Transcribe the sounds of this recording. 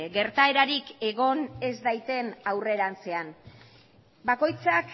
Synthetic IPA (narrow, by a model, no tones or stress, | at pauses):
ɡe̞ɾt̪ae̞ɾaɾike̞ɣ̞o̞ne̞zd̪ajt̪e̞nawre̞ɾant͡se̞an | bako̞jt͡sak